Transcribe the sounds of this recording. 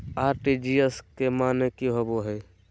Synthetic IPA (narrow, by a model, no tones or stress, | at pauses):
aːɾʈid͡ʒiəskemaːnekiɦoboɦɛː